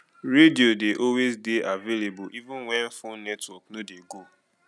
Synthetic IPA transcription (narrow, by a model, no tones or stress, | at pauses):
ɾediodeʔɔwezdeʔavelebʊʔivʊ̃nwɛ̃nfʊnɛtwɔknodeɡo